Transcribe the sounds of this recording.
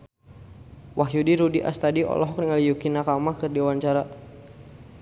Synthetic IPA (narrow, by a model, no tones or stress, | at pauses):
waɦjudiɾudiʔa̰st̪adiɔ̰lɔɦɔk̚niŋalijukinakamakɨrdiawaɲt͡ʃaɾa